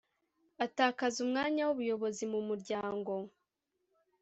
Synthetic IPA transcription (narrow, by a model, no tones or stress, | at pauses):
ataːkazumŋaːɲawuβujo̞βo̞zimumuɾɟaːŋɡo̞